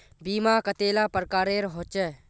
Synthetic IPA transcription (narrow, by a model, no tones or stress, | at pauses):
biːmaːkət̪eːlaːpəɾkaːɾeːɾɦoːt͡ʃɛ